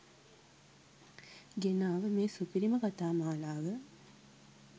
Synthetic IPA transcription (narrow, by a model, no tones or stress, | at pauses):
ɡenaːʋəmeːsupiɾiməkat̪aːmaːlaːʋə